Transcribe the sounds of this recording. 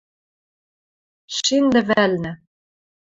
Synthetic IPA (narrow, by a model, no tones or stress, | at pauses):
ʃind̪ɘ̆vælnɘ̆